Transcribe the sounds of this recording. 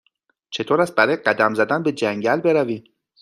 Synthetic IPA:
t͡ʃʰe̞t̪ʰoːɾæst̪̚bæɾɒːjeɢæd̪æmzæd̪ænbe̞d͡ʒæŋɟælbe̞ɾæviː

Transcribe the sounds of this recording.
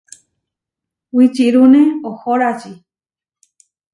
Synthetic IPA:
wit͡ʃiɾunẽohoɾat͡ʃi

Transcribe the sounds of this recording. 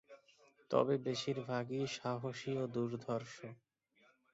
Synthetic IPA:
t̪ɔ̰bebeʃiɾbʱaɡiʃaɦoʃiod̪uɾd̪ʱɔɾʃo

